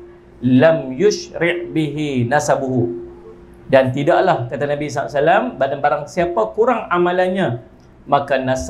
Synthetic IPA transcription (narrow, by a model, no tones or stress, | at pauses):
lamjʊʃɾɪʔbiɦinasabuɦu | dant̪idaʔlahkat̪anãbis̬aa̰ʔsalambadanbaɾaŋsiapakuɾaŋamalanɲã | makanas